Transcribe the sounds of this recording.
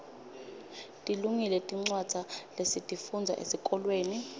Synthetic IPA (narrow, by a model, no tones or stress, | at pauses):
tʼiluŋilɛtʼiŋ͡ǀwad̥z̥ʱalesitʼifund͡zʱa̰ʔḛsikʼɔlweːni